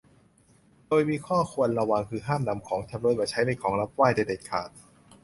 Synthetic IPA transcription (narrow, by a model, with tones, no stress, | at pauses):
doː˧jmiː˧kʰɔː˥˩kʰu˧ənɾa˧wa˧ŋkʰɯː˧ɦaː˥˩mna˨˩˦mkʰɔː˩˦ŋt͡ɕʰa˧mɾɤː˧jbaː˨˩t͡ɕʰa˦˥jna˧˩jkʰɔː˩˦ŋɾa˦˥p̚waː˥˩jda˧˩deː˨˩t̪̚kʰaː˨˩t̪̚